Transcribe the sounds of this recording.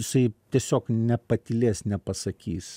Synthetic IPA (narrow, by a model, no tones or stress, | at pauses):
ɪsɐɪt̪ʲiɛsʲoːknʲɛpɐt̪ʲɪlʲeːsnʲɛpɐsɐkʲiːs